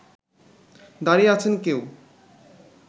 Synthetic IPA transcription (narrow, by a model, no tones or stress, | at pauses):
d̪aɾiat͡ɕʰenkew